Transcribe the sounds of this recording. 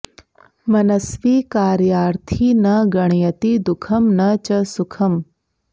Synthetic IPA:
mɐnɐsʋiːkaːɾjaːɾt̪ʰiːnɐɡɐɳ̃jɐt̪id̪ukʰɐmnɐt͡ʃɐsukʰɐm

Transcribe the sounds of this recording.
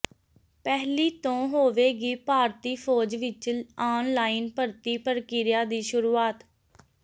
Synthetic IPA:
pɛːɦliːt̪õːɦoːʋeːɡiːpaːɾt̪iːpʰɔːd͡ʒʋɪt͡ʃaːnlaːɪnpəɾt̪iːpəɾkiɾɪjaːd̪iːʃʊɾuːaːt̪

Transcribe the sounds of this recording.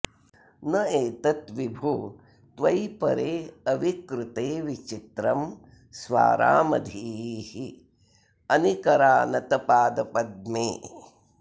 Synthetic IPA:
nɐeːt̪ɐt̪ʋibʱu | t̪ʋɐjpɐ̰ɾeːɐʋikɾɪt̪eːʋit͡ʃit̪ɾɐm | sʋa̰ːɾa̰ːmɐ̰d̪ʱiːhi | ɐnikɐɾaːnɐt̪ɐpaːd̪ɐpɐd̪̚meː

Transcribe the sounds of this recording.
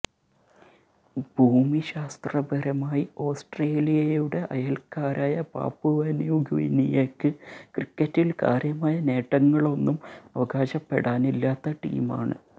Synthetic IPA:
bʱuːmiɕaːst̪rɐbʱɐɾɐmaːjio̞ːsʈreːlijɐjjuɽe̞ʔɐjɐlkaːɾʔaːjɐpa̰ːpːuʋɐnjuːɡḭnijekːɨkrikːɐtːilka̰ːɾjɐmaːjɐne̞ːʈːɐŋːɐɭo̞nːumɐʋɐɡaːɕɐpːe̞̰ɽaːnilːaːt̪ːɐʈḭːma̰ːɳɨ̰

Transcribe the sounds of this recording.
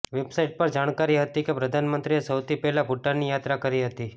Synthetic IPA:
ʋebsaiʈ̚pəɾd͡ʒaɽ̃kaɾiɦət̪ikepɾəd̪ʱanmənt̪ɾiesəwt̪ʰipɛɦlabʱuʈːanijat̪ɾakəɾiɦət̪i

